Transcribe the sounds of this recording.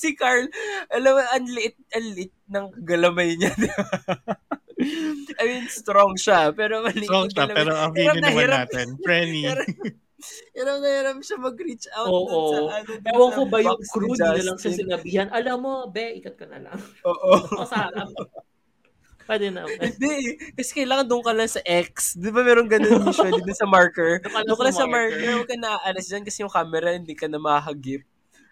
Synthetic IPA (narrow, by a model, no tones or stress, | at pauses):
sɪkaɹlʔɐlɐmɐʔɐnlɪʔɪt̪̚ʔɐnlɪʔɪt̪̚nɐŋkɐɡɐlɐmɐjɲɐn | ʔɐminst̪ɾoŋʃapɛːɾomɐnioŋaɐpɛɾoɐiɾaɪnɐhɪɾaaːt̪ɛnɹɛniɾ | hɪɾap̚nɐhɪɾɐp̚ʃɐmɐɡɾit͡ʃawoʔoanɛdaːwɐŋkobɐjoŋkɾuaɐlɐŋsɐsɪnɐbiːhɐnʔɐlamːobɛʔɪkɐt̪̚kɐnɐ̰lɐ̰ŋoːʔos | pwɛd̪ɛnɐhɪnd̪ɛʔɛkɐsɛkɐjlaːŋɐnd̪ʊŋkɐlɐŋsɐʔɛk̚sd̪ɪbamɛːɾoŋɡɐnomɪʃod̪id̪ʊnsɐmaɹkɛɹɐd̪ʊŋkɐlasɐmaɹkɛwɐkɐnɐʔaʔɐlɐsd͡ʒankɐsɛjʊŋkaːmɛɾɐhɪnd̪ikɐnɐmɐaɦɐɡɪp̚